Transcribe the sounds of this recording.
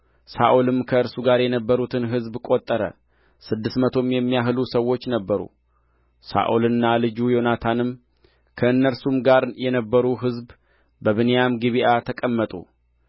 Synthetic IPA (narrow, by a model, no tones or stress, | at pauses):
sa̰ʔolɨmkʰəɨɾsuɡaɾjɛnəbːəɾut̪ʰɨnɦɨzbkʼo̞t̪ʼːəɾə̰ | sɨd̪ːɨst̪mət̪ʰo̞mjɛmːijaɦɨlusəwːo̞t͡ʃːnəbːəɾṵ | sa̰ʔolɨnːalɨd͡ʒujo̞nat̪ʰanɨm | kʰəɨnːəɾsumɡaɾjɛnəbːəɾuɦɨzb | bəβɨnejamɡiβiʔat̪ʰəkʼəmːət̪ʼṵ